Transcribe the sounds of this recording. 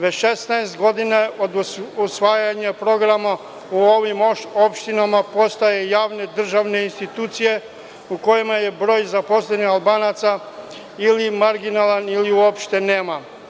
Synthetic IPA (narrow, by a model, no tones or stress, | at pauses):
ʋeʃest̪naest̪ɡo̞d̪inaod̪usʋaːjaɲapɾo̞ɡɾama | uoʋimopʃt̪inamapo̞st̪aje̞jaːʋne̞d̪r̩ʒaʋne̞inst̪it̪uːt̪sije̞ | uko̞jimaje̞bɾo̞ːjzapo̞slenixalˠbaːnat̪sa | ilimaɾɡinalaniliuopʃt̪e̞neːma